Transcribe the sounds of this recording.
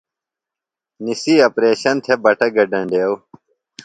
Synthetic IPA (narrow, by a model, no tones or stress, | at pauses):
nisiɐpɾeːɕɐnt̪ʰebɐʈʰɐɡɐɖɐ̃ɳɖeːw